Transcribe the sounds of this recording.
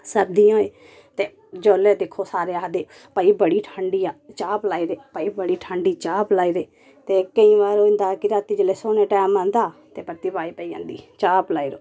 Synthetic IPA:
səɾd̪ijõːeː | t̪eː | d͡ʒoːleːd̪ekʰːoːsaːɾeːaːd̪eː | pəiːbəɽiːʈʰãːɳɖiːaːt͡ʃaːplaːiːɾeːpəiːbəɽiːʈʰãːɳɖiːt͡ʃaːplaːiːɾeː | t̪eːkəĩːʋaːɾoːɪ̃nd̪aːkɪɾaːt̪iːd͡ʒəleːsoːnẽːʈɛːmãːnd̪aːt̪eːpɾət̪iːpaːiːpəiːã̰ːnd̪ḭːt͡ʃaːplaːiːɾoː

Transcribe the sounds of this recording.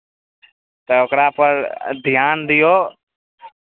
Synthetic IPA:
t̪əokɾãːpəɾd̪ʱjaːnd̪ɪjoː

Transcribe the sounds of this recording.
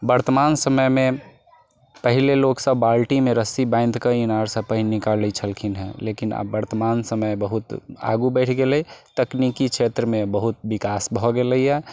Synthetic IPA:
bəɾt̪əmansəməjmẽ | pəɦileloksəbalʈimẽɾəsibãɪ̃nd̪kəinaɾsəpəɦinikaləit͡ʃʰəlkʰinɦɛ̰̃lekina̰bːəɾt̪əmansəməjbəɦut̪a̰ɡubɛɪʈʰɡeləit̪əknikikt͡ʃʰʃʰet̪ɾəmẽbəɦut̪̚bikasbʱɔɡeləiɛ

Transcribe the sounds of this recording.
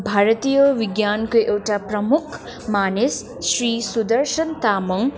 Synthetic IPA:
bʱaːɾt̪ijəʋiɡjankoʔewʈapɾʌmukʰ | maːnesː | ɾiːsud̪əɾʃənt̪aːmʌŋ

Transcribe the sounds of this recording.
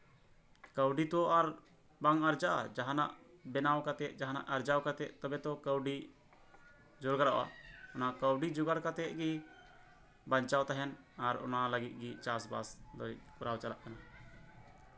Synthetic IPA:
kəwɖit̪ɔaɾ | baŋaɾd͡ʒaʔa̰d͡ʒaɦana̰ʔbɛnawkat̪ɛʔ̚d͡ʒaɦana̰ʔaɾd͡ʒawkat̪ɛʔt̪ɔbɛt̪ɔkəwɖi | d͡ʒɔɾɡaɾawa̰ɔnaʔkəwɖid͡ʒuɡaɽkat̪ɛʔɡi | baɲt͡ʃawt̪aɦɛn | aɾɔ̰naləɡit̪̚ɡit͡ʃasba̰sd̪ɔḭʔkuɾawt͡ʃalaʔkana

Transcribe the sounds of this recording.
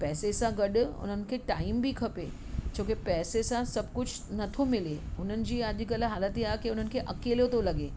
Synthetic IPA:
pɛːsesãɡɐɗʊʊ̰n̤ənɪ̆kʰeːʈaːɪmbʱikʰɐpḛː | d͡ʑʰõːkepɛːsesãsɐbʱkʊd͡ʑʰʱ | nɐt̪ʰomɪleʊn̤ənɪ̆d͡ʑiːəʄ̆ɡɐlɦaːlət̪iaːekiʊn̤ənɪ̆kʰeʔɐkeːljot̪ʰolɐɠeː

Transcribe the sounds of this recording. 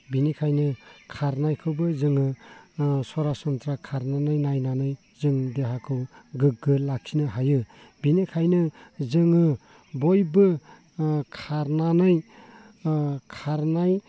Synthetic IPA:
binikʰajnɯkʰaɾnajkʰɯbɯzɯŋɯ | sɔɾasɔnt̪ɾakʰaɾnanɯjnajnanɯj | zɯŋdeɦakʰɯwɡɯɡ̚ɡɯlakʰinɯɦajɯ | binikʰajnɯzɯŋɯ | bɔjbɯ | kʰaɾnanɯj | kʰaɾnaj

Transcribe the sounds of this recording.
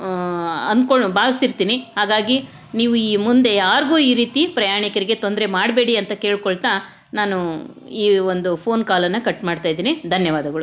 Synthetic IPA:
ɐnd̪koɭbaːʋɐsiɾt̪iːniɦaːɡaːɡi | niːʋuiːmund̪e̞jaːɾɡuːiːɾiːt̪ipɾɐjaːɳikɐɾiɡe̞t̪o̞nd̪ɾe̞maːɽbe̞ːɽiɐnt̪ɐke̞ːɭkoɭt̪a | naːnu | iːo̞nd̪upʰo̞ːnkaːlɐnːɐkɐʈːmaːɽt̪aːjd̪iːnid̪ʱɐnjɐʋaːd̪ɐɡɐɭu

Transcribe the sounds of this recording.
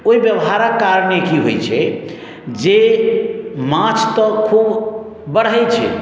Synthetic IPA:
oɦibjəbɦaɾəkːaɾnekiɦo̰jt͡ʃʰɛ | d͡ʒe | mãt͡ʃʰt̪ɔkʰub | bəɽ̤əjt͡ʃʰɛ̰

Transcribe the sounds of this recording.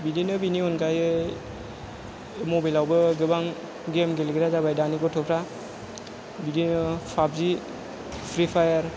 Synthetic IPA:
bidinɯbiniɔnɡajɯ | mobilawbɯɡɯbaŋ | ɡemɡelɡiɾazabajdaniɡɔtʰɔpʰɾa | bidinɯpʰab̚zi | pʰɾipʰajaɾ

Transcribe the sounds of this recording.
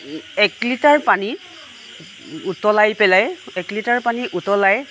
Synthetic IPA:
ɛklitaɹpani | utɔlajpɛlajɛklitaɹpaniʔutɔlaj

